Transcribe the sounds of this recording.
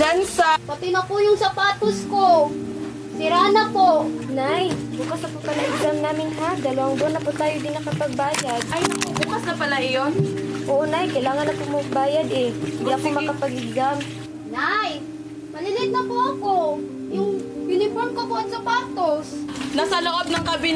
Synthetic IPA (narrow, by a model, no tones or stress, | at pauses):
d͡ʒansɐpɐt̪ɪnɐpʊjʊŋsɐpaːt̪osko | sɪɾanɐponajbuːkɐsnɐpʊpɐlaʔɪɡɡamnaːmɪnɦad̪ɐlɐwɐŋbonːɐpʊt̪aːjod̪ɪnːɐkɐpɐɡ̚baːjad̪̚ʔɐjnɐbuːbuːkɐsnɐpɐlaʔɪjonʔoːʔonajkɐjlaːŋɐnːɐpomɐɡ̚baːjad̪ɛhɪnd̪iʔɐkomɐkɐpɐɡɪɡɡam | naj | mɐlɪlɪt̪̚nɐpoʔɐko | jʊŋjʊnɪpoɹmkopod̪sɐpaːt̪osnasɐloʔob̚nɐŋkɐbɪ